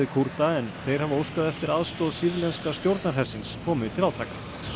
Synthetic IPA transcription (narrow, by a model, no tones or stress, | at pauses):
ɪkʰuɾt̪aɛnθejɾ̥havowskaðɛft̪ɪɾaðst̪ɔðsiːðlɛnskast̪jowɾt̪naɾ̥ɦɛrsɪnskʰɔːmɪt̪ʰɪlawt̪ʰaːkḁ